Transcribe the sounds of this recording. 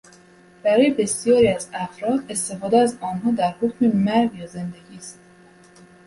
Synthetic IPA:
b̥æɾɒːjebe̞sjɒːɾiæzæfɾɒːd̪e̞st̪e̞fɒːd̪eæzɒːnɦɒːd̪æɾhocʰʲmemæɾvjɒːze̞nd̪eɡʲiːst̪

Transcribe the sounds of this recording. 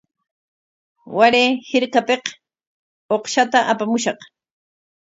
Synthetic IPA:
waɾeːhɪɾkapeq | oqʃat̪aʔapamʊʃɑq

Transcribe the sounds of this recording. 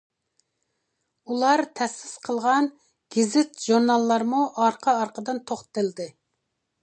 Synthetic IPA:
ulˠɑɾt̪ʰɛsːɪsqʰəlˠʁɑn | ɡ̥ʲɪzɪt̪ʒuɾnɑlˠːɑɾmuʔɑɾqʰɑɑɾqʰəd̪ɨnt̪ʰoχt̪ɨld̪ɨ

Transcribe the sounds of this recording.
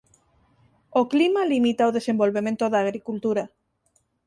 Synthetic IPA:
oklimalimit̪aoð̞esembolβemẽnt̪oðaːɣɾikult̪uɾa

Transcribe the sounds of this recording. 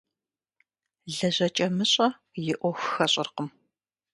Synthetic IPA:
ɮɐʑɐt͡ʃʼɐmɨɕʼɐ | jɪʔʷɔxʷxɐɕʼɪrqəm

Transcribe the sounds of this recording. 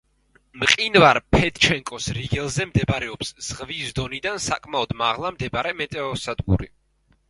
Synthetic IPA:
mqʼinvaɾpʰɛt̪t͡ʃʰɛŋkʼɔsɾiɡɛlˠzɛmd̪ɛbɾɛɔpsz̥ʁvisd̪ɔnid̪ansakʼmaɔd̪maʁlˠamd̪ɛbaɾɛmɛt̪ʼɛɔsad̪ɡṵɾḭ

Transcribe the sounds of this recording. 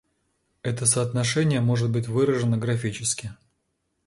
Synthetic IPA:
ɛt̪əsəɐt̪nɐʂɛnʲɪjəmo̞ʐɨt̪̚bɨtʲvɨɾəʐɨnəɡɾɐfʲit͡ɕɪskʲɪ

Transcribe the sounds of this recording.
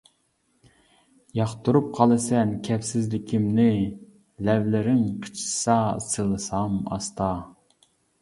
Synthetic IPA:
jɑχt̪uɾup̚qʰɑlˠɨsɛnkʲʰɛpsɪzlɪkʲʰimnɪ | lɛvlɪɾɪŋqʰə̥t͡ʃʰsɑsɨlˠɨsɑmɑ̰st̪ɑ

